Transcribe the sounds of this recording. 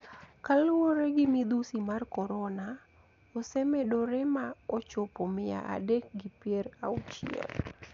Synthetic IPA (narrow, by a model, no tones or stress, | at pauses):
kalʊoɾɛɡɪmid̪usimarkɔɾɔna | ɔsɛmɛdoɾɛmaɔt͡ʃopomɪa̰ʔa̰dɛk̚ɡɪpjeɾaut͡ʃḭɔ̰n